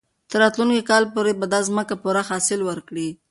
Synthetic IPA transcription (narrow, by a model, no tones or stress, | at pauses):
t̪əɾɑt̪lunkikɑlpoɾebad̪ɑzməkapuɾahɑsɪlwəɾkɽi